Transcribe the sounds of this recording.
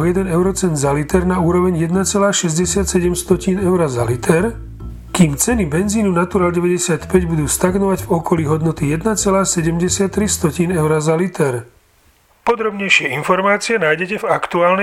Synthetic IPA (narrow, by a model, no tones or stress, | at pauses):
ɔjɛd̪ɛnɛʊɾɔt͡sɛnd̪zalit̪ɛɾnauːɾɔʋɛɲjɛd̪nat͡sɛlaːʃɛzɟɛsɪat̪sɛɟɛmst̪ɔciːnɛʊɾazalit̪ʰɛɾ | kiːmt͡sɛnibɛnziːnunat̪uɾaːlɟɛʋɛɟɛsɪat̪pɛɟbud̪uːst̪aɡnɔʋaɟvɔkɔliːɦɔd̪nɔt̪ijɛd̪nat͡sɛlaːsɛɟɛmɟɛsɪat̪ːɾist̪ɔciːnɛʊɾazalit̪ʰɛɾ | pɔd̪ɾɔbɲɛjʃɪɛinfɔɾmaːt͡siɛnaːjɟɛcɛvakt̪uaːln